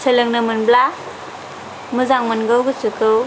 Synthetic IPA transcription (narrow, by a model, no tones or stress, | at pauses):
sʰelɯŋnɯmɯnbla | muzaŋmɯnɡɯwɡɯsɯkɯw